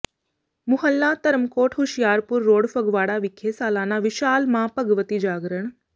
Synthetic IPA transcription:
mʊɦəlːaːt̪ɐɾmkoːʈʰɦuʃjaːɾpuɾːoːɽfɐɡʋaːɽaːʋɪkʰeːsaːlaːnaːʋɪʃaːlmãːpɐɡʋət̪id͡ʒaːɡɾəɳ̃

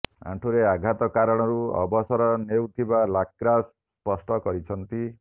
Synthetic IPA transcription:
ã̰ʈʰuɾeaɡʱat̪ɔkaɾɔɽ̃ɔɾuɔ̰bɔsɔɾɔnewt̪ʰibalakːɾas | pɔsʈɔkɔɾit͡ʃʰɔnt̪i

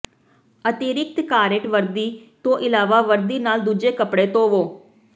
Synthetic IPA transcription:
ət̪iɾɪk̚t̪kaːɾɪʈʋəɾd̪iːt̪õːʔɪlaːʋaːʋəɾd̪iːnaːld̪uːd͡ʒeːkəpɽeːt̪õːʋoː

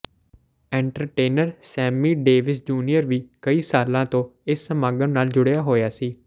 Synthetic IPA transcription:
ɛ̃ːɳʈəɾʈeːnəɾsɛːmiːɖeːʋɪsd͡ʒuːnijəɾʋiːkəiːsaːlãːt̪õːɪsːəmaːɡəɳnaːld͡ʒʊɽjaːɦoːjaːsiː

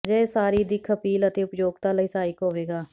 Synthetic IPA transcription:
d͡ʒɛːsaːɾiːd̪iːkʰəpiːlət̪eːʊpjoːɡt̪aːləiːsaːiːkoːʋeːɡaː

